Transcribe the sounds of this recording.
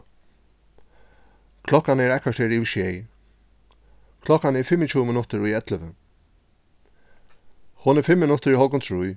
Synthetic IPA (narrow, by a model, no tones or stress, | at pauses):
kʰlɔkanɛɹahkḁt̪heːɾiʃɛj | kʰlɔkanɛɹfɪmːɪt͡ʃʰuːmɪnʊt̪əɹujɛt̪ləʋə | hʊnɛɹfɪmːɪnʊt̪əɹiɦɔkʊnt̪ʰɹuj